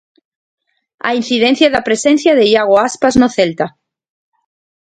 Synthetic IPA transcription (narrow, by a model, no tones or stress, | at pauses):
a̰in̟θiðen̟θjaðapɾesen̟θjaðejaɣ̞oaspaznoθelt̪a